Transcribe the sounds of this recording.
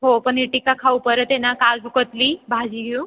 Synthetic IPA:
ɦopəɳiʈikakʰaupəɾət̪enakad͡zukət̪libʱad͡ʑiɡʱũ

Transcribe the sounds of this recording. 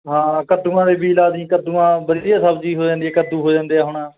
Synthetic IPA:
ɦãːkəd̪uːãːd̪eːbiːlaːd̪ĩːkəd̪ũːãːbəɾiːaːsəbd͡ʒiːɦoːd͡ʒãːnd̪iaːkəd̪uːɦoːd͡ʒãːnd̪eːaːɦʊːɳãː

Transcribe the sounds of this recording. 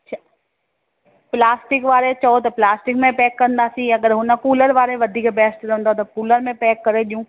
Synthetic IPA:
a | plaːsʈɪkʋaːɾet͡ɕɐot̪ɐplaːsʈɪkmẽpɛːkːɐɾənd̪aːsĩɐɡəɾɦʊnə̆kuːləɾʋaːɾeʋɐd̪ʱiːkbɛːsʈɾɐɦə̃nd̪ot̪ɐpuːləɾmẽpɛːkːɐɾeɗijũː

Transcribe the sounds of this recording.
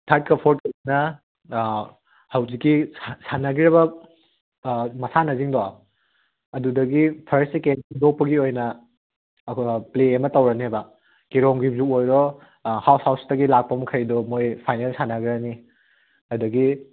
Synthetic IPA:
tʰaɾt̚kɐpʰoɾt̚knɐ | hɐwzikːisanaɡiɾɐβɐ | mɐsanɐziŋdɔa | ɐdudɐɡipʰɐɾsekenidok̚pɐɡiojnɐ | pleemɐtɐwɾɐniebɐ | kiɾɔŋɡibzukojɾɔ | hawshawstɐɡilak̚pɐmɐkʰɐjdɔmojpʰajnelsanaɡiɾɐni | ɐdɐɡi

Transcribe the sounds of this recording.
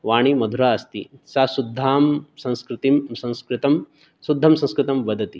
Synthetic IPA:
ʋaːɽ̃imɐd̪ʱuɾaːɐst̪ḭsasud̪ʱːaːmsɐ̃nskɾɪt̪imsɐ̃nskɾɪt̪ɐm | sud̪ʱːɐmsɐ̃nskɾɪt̪ɐmʋɐd̪ʱɐt̪i

